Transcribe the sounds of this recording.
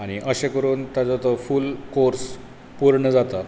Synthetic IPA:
aɽ̃iʔəɕẽkəɾuːnt̪jad͡zɔt̪ɔfulkoɾs | puɾɳəd͡zat̪at̪

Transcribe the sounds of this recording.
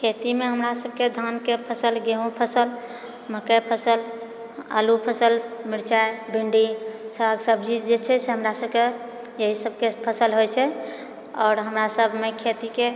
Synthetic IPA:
kʰet̪imeɦəmɾasəb̚ked̪ʱankepʰəsəlɡeɦũpʰəsəl | məkəpʰəsəl | a̰lupʰəsəlmiɾt͡ʃaebʱiɳɖisaɡsəb̚d͡ʒid͡ʒet͡ʃʰɛseɦəmɾasəb̚ke | jəɦisəb̚kepʰəsəlɦojt͡ʃʰɛ | ɔːɾɦəmɾasəbʱmekʰet̪ike

